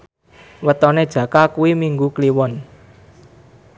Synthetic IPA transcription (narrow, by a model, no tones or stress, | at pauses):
wət̪ɔned̥ʒ̥ä̤kakuwimiŋɡukliwɔn